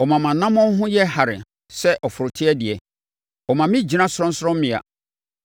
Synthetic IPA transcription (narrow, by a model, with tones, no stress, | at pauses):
ɔ˨mã˨mã˨nːã˦mɔ̃˦ɦʊ̃˦jɛ˦ha˨ɾɪ̰˨ | sɛ˦ʔɔ˨fʊ˨ɾʊ˨tʰɪ˦ɛ˦dɪ˨ɛ˨ | ɔ˨mã˨mɪ̃˦d͡ʑi˨nã˦sʊ˦ɾɔ̃˦n̩˦sɾɔ̃˦m˦mɪ̃˨a̰˨